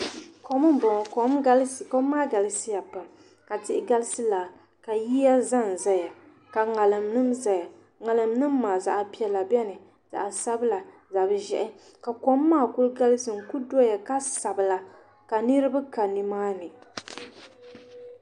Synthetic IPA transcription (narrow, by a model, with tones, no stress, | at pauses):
ko˨mɨ˦m˨bɔ˨ŋ˨ko˨mɡa˦lsko˦mː˦aː˦˨ɡa˨lɨ˦si˦ja˨pa˨m | ka˨tɪ˨ʔɪ˨ɡa˦lɨ˦sɨ˦la˨ | ka˨ji˦a˦za˦n̩˨za˦ja˨ | ka˨ŋa˨lɨ˨mnɨ˦mza˨ja˨ | ŋa˨lɨ˨mnɨ˦mː˦aː˨za˨ʔa˨pi˦ɛ˨la˨bɛ˦nɨ˨ | z̥a̰˨ʔa˨sa˦bɨ˦la˨ | za˨bɨ˦ʒɛ̰˨ʔɪ˦ | ka˨ko˦mːaː˦˨ku˦lɡa˦lɨ˦sɨ˨mku˦dɔ˦ja˨ka˦sa˨bɨ˨la˨ | ka˨nɨ˦ɾɨ˦ba˦ka˨ni˨maː˦nɨ˨